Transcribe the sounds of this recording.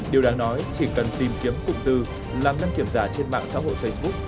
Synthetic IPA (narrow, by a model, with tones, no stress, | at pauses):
ɗi˨˩əwɗaː˨˦ŋnɔ˨˦jt͡ɕi˧˩kə˨˩nt̪i˨˩mki˨˦əmfʊ̰˧˨ŋ͡mt̪ɨ˨˩ | laː˨˩mza˧nŋki˧˩əmzaː˧˩t͡ɕe˧nma̰ː˧˨ŋsa̰ː˧˥ɦo̰˧˨jfə˧jsɓʊ˦˥k̚